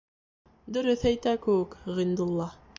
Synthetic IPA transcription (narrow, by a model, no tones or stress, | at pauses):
d̪ɵ̆ɾɵθæjt̪ækɘ̆wɘkʁɤ̆jnd̪ŭlˠːɑ